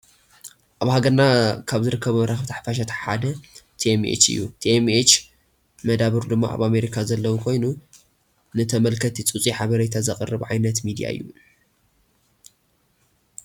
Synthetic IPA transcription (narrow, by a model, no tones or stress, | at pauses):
ʔaβhaɡɐɾnakʰaβzɨɾɨkʰːɐβumɾaxβt̪ʰḁħfaʃ̬at̪ʰħad̪ɐt̪ʰiemḛt͡ʃɨ̰jːṵt̪ʰiemet͡ʃ | mɐd̪aβɨɾd̪ɨmːa̰ʔa̰βame̞ɾikʰazɐlːɐwukʰo̞jnu | nɨt̪ʰɐmɐlkʰɐt̪ʰit͡sʼut͡sʼiħaβɐɾejt̪ʰazɐkʼɨrːɨβʕajnɐt̪mid̪ija̰ɨ̰jːu